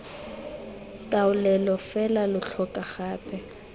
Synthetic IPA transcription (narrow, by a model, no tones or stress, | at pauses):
tʼaʊlɛlɔfɛlalʊɬʰɔkʼaχaːpʰɛ